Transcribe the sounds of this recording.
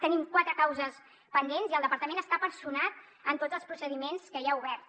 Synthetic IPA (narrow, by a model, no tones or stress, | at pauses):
t̪ənimkwat̪ɾəkawzəs | pənd̪enziəlˠd̪əpəɾt̪əmenəst̪apənsunat̪̚ | ənt̪odd͡zəlˠspɾusəðimenskəiauβɛrt̪